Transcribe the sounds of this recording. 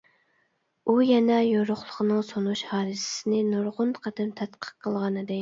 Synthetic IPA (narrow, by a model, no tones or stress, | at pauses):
ujɛnɛjoɾʊχlˠəqʰənɨŋsonuʃhɑːd̪ɨsɪ̥sɪnɪnoɾʁʊnqʰɑd̪ɨmt̪ʰɛt̪qʰə̥qʰːəlˠʁɑnɨd̪ɨ